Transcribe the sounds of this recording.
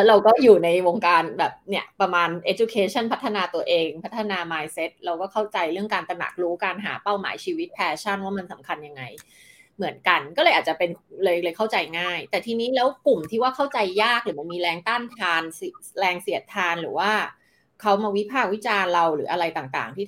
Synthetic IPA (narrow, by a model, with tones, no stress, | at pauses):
lɛ˦˥ɾa˧wkɔː˥˩juː˨˩na˧jwo˧ŋkaː˧nbɛː˨˩p̚ni˦˥˩ɐpɾa˧maː˧nʔe˦˥t͡ɕu˧kʰeː˨˧˥t͡ɕʰa˥˩npʰa˦˥t̪ʰːa˧naː˧t̪u˧ɐʔeː˧ŋpʰa˦˥t̪ʰːa˧naː˧maː˧jse˦˥t̪̚ɾa˧wkɔː˥˩kʰa˥˩wt͡ɕa˧jɾɯ˥˩əŋkaː˧nt̪ɾa˧na̰˨˩k̚ɾuː˦˥kaː˧nɦa̰ː˩˦pa˥˩wma̰ː˩˦jt͡ɕʰiː˧wi˦˥t̪̚pʰɛː˧t͡ɕʰa˥˩nwaː˥˩ma˧nsa˩˦mkʰa˧nja˧ŋːa˧j | mɯ˩˦ənka˧nkɔː˥˩lɤ˧jʔa˨˩t͡ɕa˨˩pe˧nlɤː˧jlɤː˧jkʰa˥˩wt͡ɕa˧jŋaː˥˩jt̪ɛː˨˩t̪ʰiː˧niː˦˥lɛː˦˥wku˨˩mt̪ʰiː˥˩waː˥˩kʰa˥˩wt͡ɕa˧jːaː˥˩k̚ɾɯː˩˦ma˧miː˧ɾɛː˧ŋt̪aː˥˩nt̪ʰaː˧nsi˨˩lɛː˧ŋsi˩˦ət̪ʰaː˧nɾɯ̰ː˩˦waː˥˩ | kʰa˦˥wmaː˧wi˦˥pʰaː˥˩k̚wi˦˥t͡ɕaː˧nɾa˧wɾɯ̰ː˩˦ʔa˧ɾa˧jt̪aː˨˩ŋt̪a̰ː˨˩ŋt̪ʰiː˥˩